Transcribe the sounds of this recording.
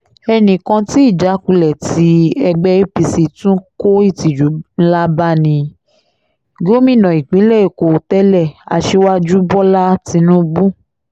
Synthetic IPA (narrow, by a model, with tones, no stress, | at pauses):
ɛ˧nĩ˨kã˧ti˦i˦˨d͡ʒa˨˦ku˧lɛ˨ti˨˦ɛ˧ɡ͡bɛ˧i˦pi˧si˨tũ˦ko˦i˦˨ti˨d͡ʒu˨˦n̩˦la˦ba˦nĩ˧ | ɡo˦mĩ˦˨nɔ̃˨i˨k͡pĩ˨˦lɛ˦˨e˨ko˨tɛ˦lɛ˦˨a̰˨ʃe˧wa˦d͡ʒu˦bɔ˦la˦ti˧˦nũ˦bu˦